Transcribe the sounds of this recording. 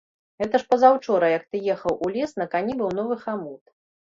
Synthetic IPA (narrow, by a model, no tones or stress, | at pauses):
ɣɛt̪ɐʂpɐzawt͡ʂɔɾɐjɐk̚t̪ɨjɛxɐwʔulʲɛsnɐkanʲibɨwnɔvɨxamut̪